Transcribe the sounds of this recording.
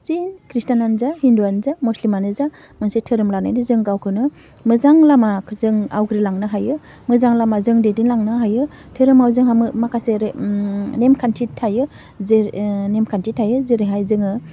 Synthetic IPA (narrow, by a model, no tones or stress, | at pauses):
t͡ʃinkʰɾistananzahinduanzamuslimanɯza | mɯnsetʰɯɾɯmlana̰jnɯzɯŋɡawkʰɯnɯ | mɯzaŋlamazɯŋawɡɾilaŋnɯɦajɯ | mɯzaŋlamazɯŋdedinlaŋnɯɦajɯ | tʰɯɾɯmawzɯŋɦamɯmakʰaseɾ | nemkʰantʰitʰajɯ | zenemkʰantʰitʰajɯzeɾeɦajzɯŋɯ